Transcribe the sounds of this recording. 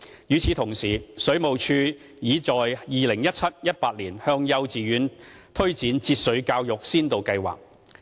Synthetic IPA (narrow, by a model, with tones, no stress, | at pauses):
jyː˨˥t͡sʰiː˨˥t̪ʰʊ˨˩ŋsiː˨˩sɵ˨˥ɥmo˨wt͡ʃʰyː˧ | jiː˨˥t͡sɔː˨jjiː˨lɪ˨˩ŋjɐ˥t̚t͡sʰɐ˥t̚jɐ˥t̚paː˧t̚liː˨˩nhœː˧ŋjɐ˧wt͡siː˨jyː˨˥n | t̪ʰɵ˥ɥt͡siː˨˥nt͡siː˧t̚sɵ˨˥ɥkaː˧wjʊ˨k̚siː˥nt̪o˨˧wkɐ˧jwa̰ː˨k̚